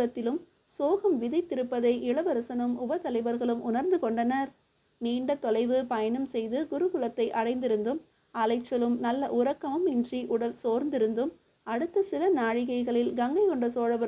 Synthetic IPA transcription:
ɐt̪ːɪlɯm | soːɣɐmʋɪðɐɪt̪ːɪɾɯpːɐðɐɪʔɪɭɐʋɐɾɐsɐnɯmʊbɐt̪ɐlɐɪʋɐɾɣɐɭɯmʔʊnɐɾnd̪ɯkɔɳɖɐnɐɾ | niːɳɖɐt̪ɔlɐɪʋɯpɐjɐnɐmsɛjðɯɡʊɾɯɣʊɭɐt̪ːɐɪʔɐɽɐɪnd̪ɪɾɯnd̪ɯm | ɐlɐɪt͡ʃːɐlɯmnɐlːɐʔʊɾɐkːɐmɯmɪndriʔʊɽɐlsoːɾnd̪ɪɾɯnd̪ɯm | ɐɽɯt̪ːɐsɪlɐnaːɻɪɣɐɪɣɐɭɪlɡɐŋɡɐɪkɔɳɖɐsoːɻɐbɐ

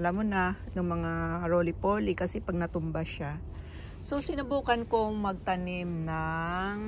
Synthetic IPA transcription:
lamonanɐŋmɐŋaɾoːlɪpoːlɪkɐsɛpɐɡ̚nɐt̪ʊmbaʃa | sosɪnɐbuːkɐnkomɐɡ̚t̪ɐnɪmnaŋ

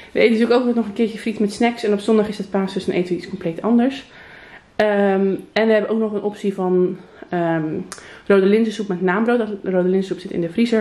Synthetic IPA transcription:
ʋəejtəntyːəkowkətnɔχənkɪːɹtjəfritmɛtsnɛksɛnɔpsɔndɑχɪsət̚paːstøsənʔḛjtəniskɔmplejtɑndəɹs | əmɛnʋəɦɛbəʔowknɔχənʔɔpsivɑn | ə | rowdəlɪnzəsupmɛtnaːmbrowtdɔtrowdəlɪnzəsupsɪtɪ̰ndəfrizəɹ

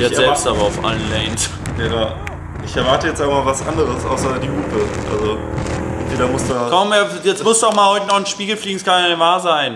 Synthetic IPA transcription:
ɛzɛpstʔaːbɐaʊfʔa̰lən̩lɛɪns | jaːda | ʔɪçɛɐvaɐtəjɛt͡staavasʔa̰ndəʁəsʔa̰ʊsɐdiːɡuːpʰəʔa̰lzo | jeːɾɐmʊstakʰɔmeːɐjɛt͡smʊstddɔxmaːlhɔʏtənɔχnʃpiːɡl̩fliːɡŋ̩skʰanvaːzaɪn

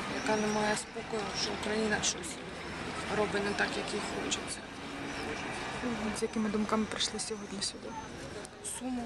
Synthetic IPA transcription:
jɐkɑnɛmɑjɛspɔkɔjʊʃt͡ʃɔʊkɾɐjinɐʃt͡ʃɔsʲ | rɔbɪnɛt̪ɑkjɐkixɔ̰t͡ʃɪt͡sʲːɐ | unʊzʲjɐkɪmɪd̪ʊmkamɪpɾɪʃlˠɪsʲɔɦɔdʲnʲisʲʊd̪ʲi | sumʊ

